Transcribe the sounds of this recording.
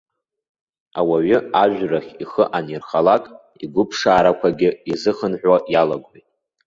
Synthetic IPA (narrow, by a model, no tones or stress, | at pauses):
awaɥʏaʒʷᶣraχʲiχəʔanirχalakʼ | iɡʷʊpʰʂaːɾakʷʰaɡʲɪizɨχənħʷᶣwaʔjalaɡʷijtʼ